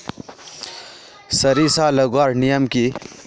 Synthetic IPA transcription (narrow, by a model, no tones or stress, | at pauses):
sɐɾisalɐɡwaːɾnijəmki